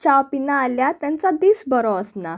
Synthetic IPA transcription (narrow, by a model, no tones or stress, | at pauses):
t͡ɕapinaːljat̪jãnt͡sad̪iːsbəɾɔəsna